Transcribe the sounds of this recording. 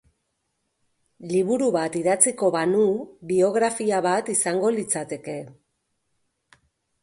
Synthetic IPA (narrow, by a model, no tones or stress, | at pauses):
liβuɾuβat̪iðat͡siko̞βanuβio̞ɣɾafiaβat̪isaŋɡo̞lit͡sat̪e̞ke̞